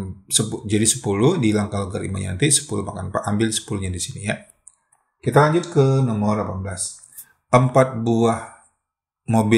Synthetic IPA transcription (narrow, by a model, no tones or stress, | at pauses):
səpud͡ʒadisə̥pulʊhdilaŋkalɡaɾḭma̰ɲa̰nt̪isə̥pulumakanpaʔambɪlsə̥puluɲadisinija | kit̪alaɲd͡ʒʊt̪̚kənɔmɔrlapanblas | ʔəmpat̪̚buah | mobɪ